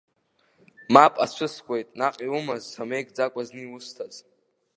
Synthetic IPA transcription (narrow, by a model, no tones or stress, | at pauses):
mapʼa̰t͡ʃʷʰɨskʷʼejtʼnaqʼiwumazːame̞jkʼd͡zakʷʼaznɨiwʊstʰaz